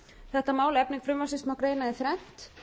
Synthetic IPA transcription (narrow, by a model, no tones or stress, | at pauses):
θɛht̪amaːwlɛpniŋkfɾʏmvasɪst̪mawkɾeːjnaðɪθɾɛn̥t̪